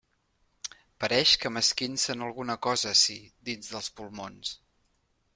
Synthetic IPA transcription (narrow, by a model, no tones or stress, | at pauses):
pəɾɛʃkəməskinsənəlˠɣunəkɔzəsid̪inzðəlˠspulˠmons